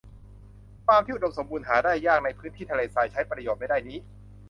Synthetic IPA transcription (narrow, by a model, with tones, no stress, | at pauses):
faː˧mt̪ʰiː˥˩˨u˩do˧mso˩˦mbuː˧nɦaː˩˦daː˥˩jːaː˥˩ŋ̚na˧jpʰɯː˦˥nt̪ʰiː˥˩˧leː˨˩saː˨˩jt͡ɕʰa˦˥jpɾa˧joː˨˩t̪̚a˥˩daː˥˩jniː˦˥